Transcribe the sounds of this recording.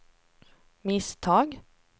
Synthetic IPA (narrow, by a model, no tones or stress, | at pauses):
mɪst̪ʰɑːɡ